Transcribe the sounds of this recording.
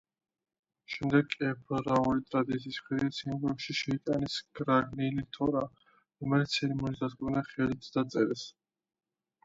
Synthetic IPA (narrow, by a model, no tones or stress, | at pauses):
ʃɛmd̪ɛɡʼɛpʰɾɔɾaulit̪ʼɾad̪it̪sʰiːspʰɛɾiasʰimɡɔkʃiʃɛit̪ʼanɛsɡɾaɡnilit̪ʰɔɾa | ɾɔmɛlit̪sʰɛɾimɔnisd̪at̪kʼnaχɛlit̪ʰd̪at̪sʼɛɾɛs